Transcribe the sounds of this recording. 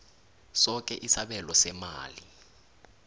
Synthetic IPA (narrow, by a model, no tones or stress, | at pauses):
sɔkʼɛʔisaɓɛlɔsɛma̰ːli